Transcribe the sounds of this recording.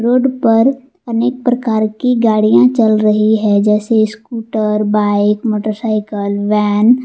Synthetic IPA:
ɾoːɖpəɾ | əneːk̚pɾəkaːɾkiɡaːɽijãt͡ʃəlɾəɦiɦɛ̃d͡ʒɛːseskuːʈəɾbaːɪkmoːʈəɾsaːɪkəlʋɛːn

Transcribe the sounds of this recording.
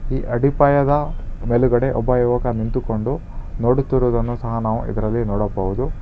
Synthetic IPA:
iːʔɐɽipɐːjɐd̪ɐmeluɡɐɽe̞ʔɔbːɐjuʋɐkɐnint̪ukoɳɖu | noːɽut̪ːuɾuːd̪ɐnːusɐɦɐnaːʋṵʔḭd̪ɐɾɐlːinɔːɽɐpːɐʋud̪u

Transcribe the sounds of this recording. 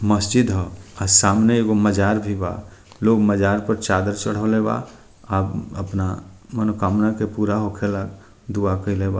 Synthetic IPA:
məsd͡ʒɪd̪ɦɔasaːmneeɡoməd͡ʒaːɾbʱiba̰ː | loːɡməd͡ʒaːɾpəɾt͡ʃaːd̪əɾt͡ʃəɽ̤oleba̰ː | abəpnamənokaːmnakepuːɾaɦokʰelak | d̪uakəilebaː

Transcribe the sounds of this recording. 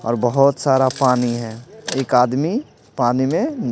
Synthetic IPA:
ɔ̰ːɾbəɦʊt̪saːɾapaːniɦɛ̃ːeːkaːd̪mi | paːnimẽ

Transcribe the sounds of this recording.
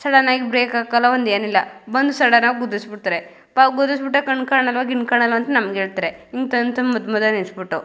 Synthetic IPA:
sɐɽɐnaːɡibɾeːkaːkalːɐond̪eːnilːɐbɐnd̪usɐɽɐnaːɡɡud̪usbiʈt̪aɾe | paːɡud̪usbiʈ̬ːɐkɐɳkaːɳɐlʋaːɡiɳkaːɳɐlʋɐɐnt̪ɐnɐmɐɡɦeːɭt̪aɾeiŋɡt̪ɐnt̪ɐmmːɐd̪mɐd̪ɐninsbiʈːu

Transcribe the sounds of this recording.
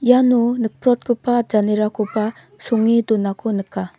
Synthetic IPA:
janunɯk̚pʰɾɔt̚kɯpʰad͡ʒaneɾakʰɔpa | suŋːidunakʰɔnɯkʰːa

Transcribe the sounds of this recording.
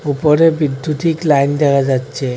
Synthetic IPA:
upɔɾebid̪ʱːut̪iklaind̪ɛɡad͡zatːt͡ɕe

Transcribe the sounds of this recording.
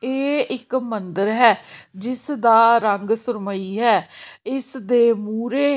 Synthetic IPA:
eːɪkmənd̪əɾɦɛːd͡ʒɪsd̪aːɾəŋɡsʊɾməiːɦɛːɪsd̪eːmuːɾeː

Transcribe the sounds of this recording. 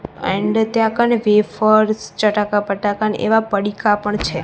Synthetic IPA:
ɛ̰̃ɳɖt̪jãkanʋefəɾst͡ʃəʈakapəʈakanḛʋapəɽikapəɳt͡ʃʰe

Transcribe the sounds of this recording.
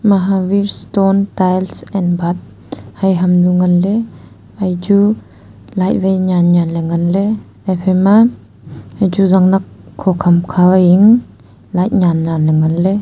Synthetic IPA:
maɦawiɾstontajlsɛnbat̚ | hajɦɐmnuŋanle | ajd͡ʒu | lajt̚bajɲanɲanleŋanle | ajpʰema | ajd͡ʒuzaŋnakʰːɔkʰɐmkʰawajiŋ | lajt̚ɲanːanleŋanle

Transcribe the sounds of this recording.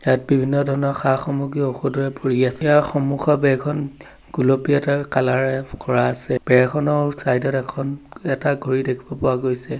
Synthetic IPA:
jat̚bibʱinːɔdʱɔɹɔnɔxaxɔmuɡɹioxudɔɹɛpoɹiasɛjaxɔmuxʰɔbɛkʰɔn | ɡ̥ulopiɛtakalaɹɛkɔɹaːsɛb̥ɛɹɛkʰɔnɔsajdɔtɛkʰɔnɛtaɡʱoɹidekʰibɔpɔwaɡojsɛ

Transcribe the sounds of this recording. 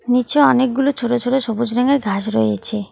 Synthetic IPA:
nit͡ɕoɔnek̚ɡulot͡ɕʰoʈot͡ɕʰoʈoʃɔbud͡ʑɾeŋeɾɡʱaʃɾo̰eet͡ɕʰe

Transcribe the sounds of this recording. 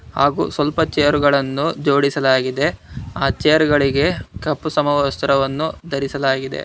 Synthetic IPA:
haːɡṵːsʋɐlpɐt͡ʃejɐɾuɡɐɭɐnːud͡ʒoːɽisɐlaːɡid̪e̞aːt͡ʃejɐɾɡɐɭiɡe̞kɐpːusɐmɐʋst̪ɐɾɐʋɐnːud̪ɐɾisɐlaːɡid̪e̞̰

